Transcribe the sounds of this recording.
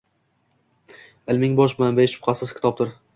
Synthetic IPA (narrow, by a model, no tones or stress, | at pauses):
ɪlmɪŋbɒʃmanbeʃʊ̥pqʰɑsɪzkʲɪ̥t̪ʰɒp̚t̪ɪɾ